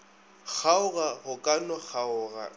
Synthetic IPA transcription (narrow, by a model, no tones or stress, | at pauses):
k͡xʰaʊɣahʊkʼanɔk͡xʰaʊːɣa̰